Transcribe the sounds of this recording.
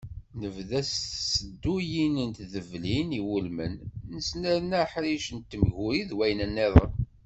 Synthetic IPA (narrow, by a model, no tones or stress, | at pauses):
nəvðæsːəd̪ːujinənt̪ðəvliniwulmə̰nnəsnæɾnæħɾiʃənt̪ːəmʝuɾiðwæjnænːeðˤə̰n